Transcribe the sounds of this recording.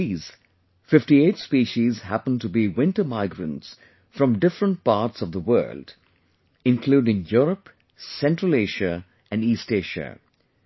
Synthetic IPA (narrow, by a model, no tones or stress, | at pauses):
iːz̥ | fɪfʈietspiʃizhæpə̃ntubiwɪ̃ntəmaɪɡɹə̃ns | fɹʌ̃mɖɪfɾə̃nt̚pɑːʈsʌvðəwɜ̰ːld | ɪ̃nkʰluːɖɪ̃ŋjɔɾəp | sɛ̃ntɹəleɪʒə | ɨ̃nɖiːsteɪʒə̰